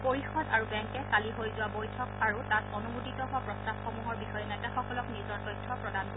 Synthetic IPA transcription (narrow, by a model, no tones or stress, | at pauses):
poɹixɔdaɹubɛŋkɛkaliɦojzʊwabojtʰɔkaɹutatɔnumuditɔɦʊapɹɔstabxomuɦɔɹbixɔjɛnɛtaxɔkɔlɔknizɔɹtɔjtʰːɔpɹɔdanko